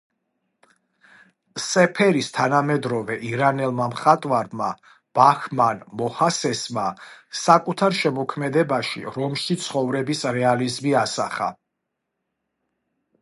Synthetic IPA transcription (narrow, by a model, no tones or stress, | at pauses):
sɛpʰɛɾist̪ʰanamɛd̪ɾɔvɛʔiɾanɛlˠmamχat̪ʼwaɾma | b̥axmanmɔhasɛsmasakʼut̪ʰaɾʃɛmɔkʰmɛd̪ɛbaʃḭɾɔmʃit̪sʰχɔvɾɛbisɾɛalizmiasa̰χa̰